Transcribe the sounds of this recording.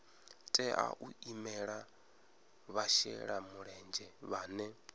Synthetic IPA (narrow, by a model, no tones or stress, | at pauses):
tʼɛʔa̰ʔuimɛɺa | βaʃɛ̰ɺamuɺɛnd͡ʒɛβaːnɛ